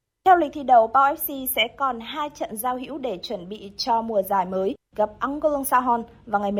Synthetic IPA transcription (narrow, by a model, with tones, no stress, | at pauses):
t̪ʰɛ˧wlï˨˩k̚t̪ʰi˧˩ɗə˨˩wɓaː˧wʔɛ˦˥p̚si˧sɛ̰˧˥kɔ˨˩nɦaː˧jt͡ɕə̰˧˨nzaː˧wɦḭ˧˥əwɗe˧˩t͡ɕwə˧˩nɓḭ˧˨t͡ɕɔ˧mu˨˩əzaː˧˩jməː˨˦j | ɣa˨˩p̚ʔa˧nko˧lɨ˧əŋsaː˧ɦɔ˧n | vaː˨˩ŋa˨˩jm˨